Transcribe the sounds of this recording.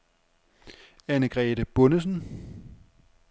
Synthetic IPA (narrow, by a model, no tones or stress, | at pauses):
ænəɡ̥ʁɛːd̥əb̥ɔ̽nəs̬n̩